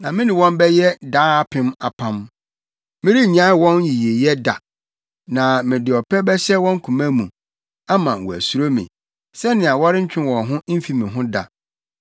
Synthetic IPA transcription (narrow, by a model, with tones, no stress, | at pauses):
nã˨mɪ̃˦nɪ̃˨wɔ̃˦m˦bɛ˦jɛ˦daː˦˨pʰɪ̃˦ma˨pʰã˦m | mɪ̃˦ɾi˦˨ɲã˦wɔ̃˦nji˨je˨jɛ˦da̰˨ | nã˨mɪ̃˨dɪ˨ɔ˨pʰɛ˦bɛ˦ɕɛ˦wɔ̃˦ŋ̩˦kʰũ˨mã˦mũ˨ | a˦mã˨wɔ˨æ̰˨su˨˦ɾo˦mḭ̃˨ | sɛ˦nɪ̃˨a˨wɔ˦ɾɪ˦ɲ̩˦t͡ɕᶣɪ̃˦n˦wɔ̃˨ɦʊ̃˦m̩˦fi˨mɪ̃˨ɦʊ̃˦da̰˨